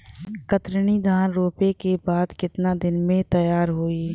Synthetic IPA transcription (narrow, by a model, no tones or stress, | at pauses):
kət̪ɾənid̪ʱaːnɾoːpekebaːd̪kɪt̪nad̪ɪnmẽt̪ɐjaːɾɦoːi